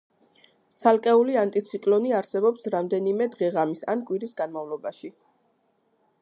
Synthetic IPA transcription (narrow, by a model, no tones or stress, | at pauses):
t̪sʰalˠkʼɛuliant̪ʼit̪sʰikʼlɔniaɾsɛbɔpsɾamd̪ɛnimɛd̪ʁɛʁamisa̰nkʼwiɾisɡanmavlˠɔbaʃi